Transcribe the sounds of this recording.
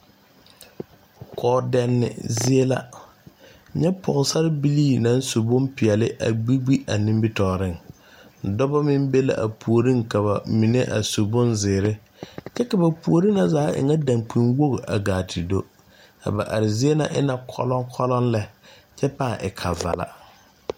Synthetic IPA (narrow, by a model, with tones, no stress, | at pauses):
kʰɔː˨dɛ˨nːɪ̰˨zɪ˦e˦la̰˦˨ | ɲɛ˦pʰɔ˨ŋ˨sa˦ɾɪ˦bi˦liː˦˨nã˨˦n˦so˨bʊ̃˦mpɪ˨ɛ˨lɪ˦ʔa̰˨ɡ͡bi˦ɡ͡bi˦ʔa˨nĩ˦mbi˦tɔː˨ɾɪ˦˨ŋ̩˨ | dɔ˦ba˦mɪ˦mbe˦la̰˨ʔa˨pʰu˨o˨ɾĩ˦ŋka˨ba˨mi˨nḛ˦ʔa̰˨so˨bʊ˦nzɪː˨ɾɪ˦ | t͡ʃɛ˦ka˨ba˨pu˨o˨ɾi˦na˦zaː˨˦ʔɪ̰˨ŋa˦dã˨ŋk͡pi˨nwo˦ɣo˨ʔa˨ɡaː˨tʰi˨do˦ | a̰˨ba̰˨ʔa˨ɾɪ˨zi˦e˦na˨ʔɪ˦na˨kʰɔ̰˦lɔ˦ŋkʰɔ˦lɔ˦nlɛ˦ | t͡ʃɛ˦paː˦˨ʔɪ̰˨kʰa˨va̰˨la̰˨